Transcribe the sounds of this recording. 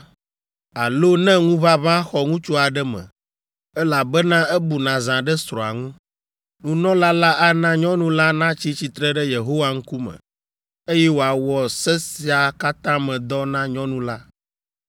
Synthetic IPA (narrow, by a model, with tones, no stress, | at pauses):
a˨lo˦nɛ̃˦ŋũ˦βa˦βã˦xɔ˨ŋũ˦t͡ʃu˦a˨ɖɛ˦mɛ̰̃˨ | ɛ˦la˨bɛ˦nã˦ɛ˦bu˨nã˨zã˨ɖɛ˦sɾɔ̃˨a̰˨ŋũ˦ | nũ˨nɔ̃˦la˦la˦ʔa˦nã˦ɲɔ̃˦nũ˦la˦nã˦t͡ɕi˦t͡ɕi˨t̪ɾɛ˦ɖɛ˦je˨ɦo˦wa˦ŋ̩˦ku˦mɛ̰̃˨ | e˦jɛ˦wo˨a˨wɔ˨sɛ˦si˨a˨ka˦t̪ã˦mɛ̃˨d̪ɔ˦nã˦ɲɔ̃˦nũ˦la˦